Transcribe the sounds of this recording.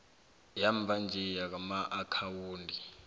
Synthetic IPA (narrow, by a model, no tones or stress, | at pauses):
jaɱb̪vʱand͡ʒʱɛjak̬amaʔakʰawuːndʱi